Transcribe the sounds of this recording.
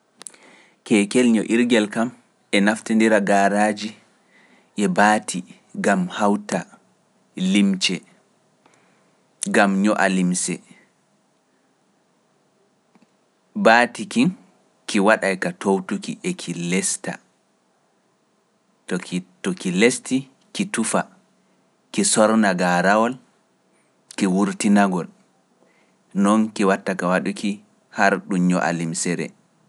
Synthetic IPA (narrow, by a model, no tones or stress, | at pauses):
kɛːkɛlɲɔʔiɾɡɛlkam | ʔɛnaftindiɾaɡaːɾad͡ʒi | ʔɛbaːtʰi | ɡamhawta | limt͡ʃɛ | ɡamɲɔʔa̰limsɛ̰ | baːtikin | kiwaɗajkatʰowtukiʔɛkʰilɛsta̰ | ttɔkilesti | kitufa | kisɔɾnaɡaɾawɔl | kiwuɾtinaɡɔl | nɔnkiwatːakawaɗuki | haɾɗuɲɔ̰ʔa̰limsɛɾɛ̰